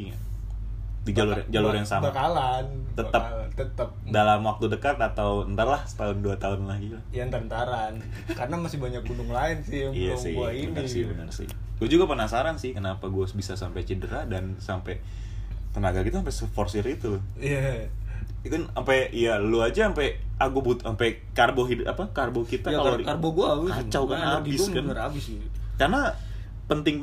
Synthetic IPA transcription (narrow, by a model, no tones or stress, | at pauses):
did͡ʒalʊd͡ʒaluɾjaŋsabakalant̪ət̪ət̪ət̪əp̚dalamwak̚t̪udəkat̪at̪awənt̪əlahsə̥t̪aʊnduat̪aʊnlaɡilahjant̪ant̪aɾan | kaɾənamasɪhbaɲak̚bundʊŋlaɪnsɪhijasɪuainisɪbənərsɪ̰ | ɡuad͡ʒuɡapənasaɾansɪhkənapaɡuasbisasampajt͡ʃədəɾadansampɛ | t̪ənaɡakit̪aampɛsəfɔrsɪrit̪u | ija | ikanampɛjaluad͡ʒaːmpɛʔaɡubut̪ampɛ | karboɦida̰pakarbokit̪aakaladkarboɡuaukat͡ʃawkanhaabɪskaərabɪs | karna | pənt̪ɪŋ